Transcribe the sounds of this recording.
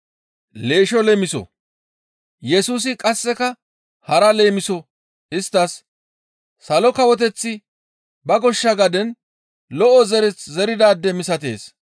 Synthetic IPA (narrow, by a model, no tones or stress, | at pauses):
le̞ːʃɔlɛmɪsɔ̰ | jɛsuːs̬ɪkʼɐsːɛkɐ | hɐɾɐleːmɪsɔ | ɪst̪ːɐsː | ɐlɔkɐwɔt̪̬ɛt͡sːɪ | bɐɡɔʃːɐɡɐd̪ɛn | lɔʔɔzɛɾɛt͡szɛɾɪd̪aːd̪ːɛmɪsɐt̪e̞ːs